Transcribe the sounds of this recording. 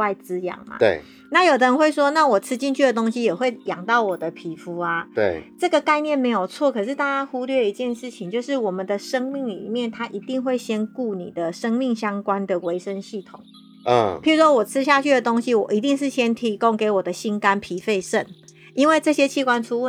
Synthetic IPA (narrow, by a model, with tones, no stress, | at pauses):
wa˥˩ɪt͡sɹ̩˦jɑ̰˨˩ŋɐ̰˨t̪e˥˩ | na˥˩jo˨˩d̪ə˧ɻə˧nxwe˥˩ɪʂwɔ˦na˥˩wɔ˨˩t͡sʰɹ̩˥t͡ɕi˥˧nt͡ɕʰy˥˩də˩t̪o˥ŋɕi˥jɛ˨˩xwe˥˩ɪjɑ˨˩ŋt̪ɑ˥˩ʊwɔ˨˩d̪ə˦pʰi˨˥fu˧˥ɐ˩t̪we˥˩ɪʈ͡ʂɤ˥˩ɡə˨ka˥˧ɪnjɛ˥˩˨nme˧˥ɪjo˨˩ʊt͡sʰwɔ˥˨kʰɤ˨˩ʂ̬ɻ̩˥˧t̪a˥˩t͡ɕja˥xu˦lɥɛ˥˩i˧˦t͡ɕjɛ˥˧nʂɻ̩˥˩t͡ɕʰi˨ŋt͡ɕjo˥˧ʊʂɻ̩˥˩wɔ˨˩mə˨nd̪ə˨ʂə˥ŋmi˥˩ŋlḭ˨˩mjɛ˥˩nt̪ʰa˥ʔi˧˥t̪i˥˧ŋxwe˥˩ɪɕjɛ˥nku˥˩nḭ˨˩d̪ə˩ʂə˥ŋmi˥˩ŋɕjɑ˥ŋkwa˦nd̪ə˨we˧˥ɪʂə˧˥nɕi˥˩t̪ʰʊ̰˨˩˦ŋ˩ | pʰi˨˥ɻu˧˥ʂwɔ˥wɔ˨˩t͡sʰɻ̩˥ɕ̬ja˥˧t͡ɕʰy˥˩də˩t̪o˥ŋɕi˦wɔ˨˩i˧˥t̪i˥˧ŋʂɻ̩˥˩ɕjɛ˥nt̪ʰi˧˥ko˦˥ŋke˨˧˥ɪwɔ˨˩d̪ə˦ɕi˥nka˦npʰi˨˥fe˥˧ɪʂə˥˩n | i˥nwe˥˧ɪʈ͡ʂɤ˥˩ɕjɛ˦t͡ɕʰi˥˩kwa˥˦nʈ͡ʂʰu˥